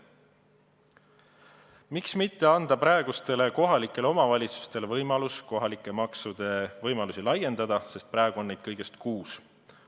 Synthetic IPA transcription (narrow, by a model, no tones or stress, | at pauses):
miksmit̪ːe̞ɑnd̪̥ɑpɾɑe̞ɡ̥ust̪e̞le̞ko̞ɦɑlikːˑe̞leo̞mɑvɑlʲit̪su̥st̪e̞levɤjmɑlusko̞ɦɑlikːˑe̞mɑksud̪̥e̞vɤjmɑlusilɑjːe̞nd̪̥ɑd̪̥ɑse̞st̪̚pɾæeɡ̥uonːejd̪̚kɤjɡ̥e̞st̪kuːs